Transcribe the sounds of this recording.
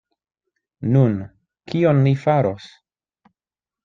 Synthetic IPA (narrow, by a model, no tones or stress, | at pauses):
nun | kionlifaɾo̞s